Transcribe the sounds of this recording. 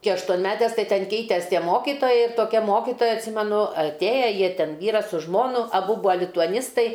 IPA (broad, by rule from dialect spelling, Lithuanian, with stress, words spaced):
ˈkʲɪ ɐʃtuɔnʲˈmʲæːtʲɛs ˈtɐɪ ˈtʲɛn ˈkʲɛɪtʲɛs ˈtʲiɛ ˈmoːkʲɪtoːjɛɪ toːˈkʲɛ ˈmoːkʲɪtoːjɛ ɐtʲˈsʲiːmʲɛnʊ ɐtʲˈeːjɛ ˈjiɛ ˈtʲɛn ˈʋʲiːrɐs sʊ ˈʒmoːnʊ ɐˈbʊ ˈbuːɐ lʲɪtʊɐˈnʲɪstɐɪ